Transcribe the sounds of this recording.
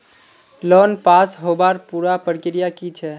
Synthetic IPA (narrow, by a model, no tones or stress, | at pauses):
lɔːnpaːsɦobaːɾpuːɾapəɾkɪɾijakit͡ʃʰɛ